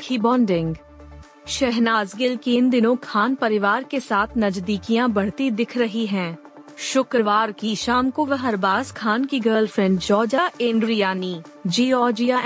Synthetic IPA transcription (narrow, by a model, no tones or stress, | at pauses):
kʰiːbɔ̃ːɳɖɪ̃ŋɡ | ʃɛɦnaːzɡɪlkiɪnd̪ɪnõkʰaːnpɐɾɪʋaːɾkesaːt̪ʰnɐd͡ʒd̪iːkijãbɐɽ̤t̪id̪ɪkʰɾɐɦiɦɛ̃ː | ʃʊkɾəʋaːɾkiʃaːmkoʋɐɦɐɾbaːskʰaːnkiɡəːɾlfʰɾɛ̃ɳɖd͡ʒɔːd͡ʒaʔẽːɳɖɾijaːniː | d͡ʒiːɔːd͡ʒija